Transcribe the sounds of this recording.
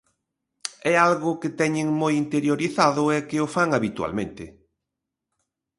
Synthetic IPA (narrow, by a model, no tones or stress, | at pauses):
ɛalɣʊkɪt̪ɛɲɪŋmojint̪eɾjoɾiθaðʊɛkɪʊfaŋaβit̪wa̰lmẽnt̪ɪ